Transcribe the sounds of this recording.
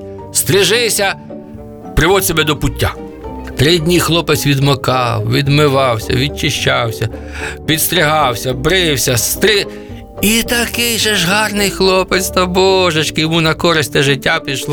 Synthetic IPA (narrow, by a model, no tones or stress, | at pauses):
st̪ɾɪʒɪsʲɐ | pɾɪʋɔd̪ʲsʲɔbɛd̪ɔpʊtʲːa | t̪ɾɪdʲnʲijxlˠɔpɪt͡sʲʋʲid̪mɐkɑwʋʲid̪mɪʋɑwsʲɐ̰ʋʲid̚t͡ʃɪʃt͡ʃɑwsʲɐ | pʲid̪st̪ɾʲɪɦɑwsʲɐbɾɪwsʲɐst̪ɾɪ | it̪ɐkɪjʒɛʒɦɑrnɪjxlˠɔpet͡s̪ʲt̪ɐbɔʒɐt͡ʃkɪjɔmunɐkɔɾɪsʲt̪ʲt̪ɛʒɪtʲːapʲiʃlˠ